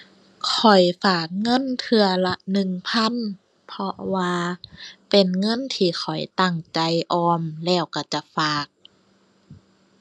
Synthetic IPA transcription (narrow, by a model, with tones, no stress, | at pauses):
kʰɔ˨˩jfaː˨˩k̚ŋɤ˧˥˨nt̪ʰɯ˧ɐla˧nɯ˨˩ŋpʰa˧˥˨n | pʰɔ˧waː˧pe˨˩nŋɤ˧˥˨nt̪ʰiː˧˩xʰɔ˨˩jt̪a˧˩ŋt͡ɕa˧jʔɔː˧mlɛː˧˩wka˧˩t͡ɕa˧˩faː˨˩k̚